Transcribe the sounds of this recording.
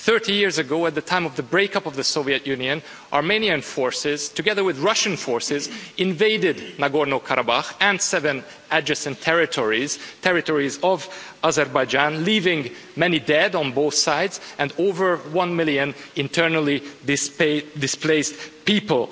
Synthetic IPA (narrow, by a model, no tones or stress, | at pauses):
θɜ˞tijɪɹzɨɡoʊɨt̪̚ðɨtʰãɪ̃mʌvðəbɹeɪkʌpʌvðɨsoʊviɨtjʉ̃niɨ̃n | ʔaɹmẽniɨ̃nfɔɹsɪz̥tʰɨɡɛðə˞wɪðɹʌʃɨ̃nfɔɹsɪzɪ̃nveɪdɪdⁿnaɡɔɹnokʰaɾʔabaxɨ̃nsɛvɨ̃n | æd͡ʒɨsɨ̃ntʰɛɹɪtʰɔɹiz̥tʰɛɹɨtɔɹizʌv | azɛɹbaɪd͡ʒãnlivɪ̃ŋ | mɛnidɛd̃n̩boʊθsaɪdzɨ̃ndoʊvə˞wʌ̃nmɪlˠjɨ̃nɪ̃ntʰɜ˞nəl̩ˠi | dɪspleɪspipəl̩ˠ